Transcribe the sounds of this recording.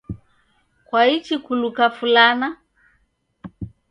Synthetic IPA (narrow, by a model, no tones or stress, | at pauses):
kwait͡ʃikulukafulana